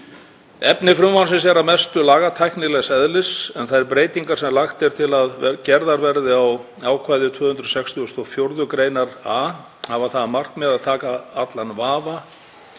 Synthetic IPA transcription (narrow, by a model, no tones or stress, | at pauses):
ɛpnɪfɾʏmvansɪnsɛɾamɛst̪ʏlaːɣat̪ʰajknɪlɛɣsɛðlɪsɛnθaðɛɾpɾeːjt̪iŋkaɾ̥sɛmlaxt̪ɛɾ̥t̪ʰɪlaðcɛɾðaɾvɛɾðɪaw | aːwkʰvajðʏt̪ʰvʏːhʏnt̪ɾʏsɛkst̪ʰiɔst̪ʰɔfjowɾðʏkɾeːjnaɾaː | havaθaðmar̥kmɛðaðt̪ʰaːkaat̪lanvaːva